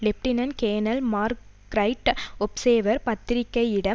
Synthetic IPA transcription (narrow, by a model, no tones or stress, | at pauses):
lɛp̚ʈɪnɐnkeːnɐlmaːɾkɾɐɪʈɔpseːʋɐɾpɐt̪ːɪɾɪkːɐɪɪɽɐ